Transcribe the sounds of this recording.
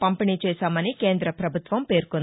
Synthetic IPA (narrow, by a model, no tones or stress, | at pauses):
pɐmpiniːt͡ʃɛːsaːmɐnike̞ːnd̪ɾɐpɾɐbʱut̪ʋɐmpe̞ːɾkun